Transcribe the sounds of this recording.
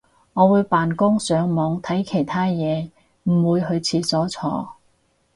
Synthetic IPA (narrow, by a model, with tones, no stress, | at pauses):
ŋɔː˨˧wuː˨˧jpaː˨˩nkʊ˥ŋsœː˨˧ŋmɔː˨˧ŋt̪ʰɐ˨˥jkʰe˨˩jt̪ʰaː˥jɛː˨˧ | m̩˨˩wuː˨˧jɦɵ˧ɥt͡sʰiː˧sɔː˨˥t͡sʰɔ̰ː˧